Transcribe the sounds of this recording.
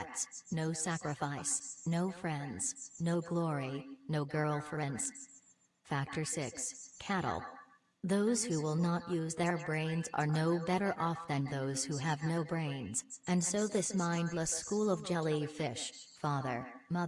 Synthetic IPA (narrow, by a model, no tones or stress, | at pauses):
tsnoʊsækɹɨfaɪsnoʊfɹɛ̃ndz̥noʊɡlɔɹinoʊɡɜ˞lˠfə˞ɛ̃nz̥ | fæk̚tʰə˞sɪkskʰæɾl̩ˠ | ðoʊz̥huwɪlˠnəʔjʔʉzðə˞bɹẽɪ̃nzə̰˞noʊbɛɾə˞ʔɔfðɨ̃nðoʊz̥huɨvnoʊbɹẽɪ̃nz̥ʔɨ̃nsoʊðɪsmãɪ̃ndˡləskulˠʌvd͡ʒɛlˠifɪʃfɑðə̰˞mʌ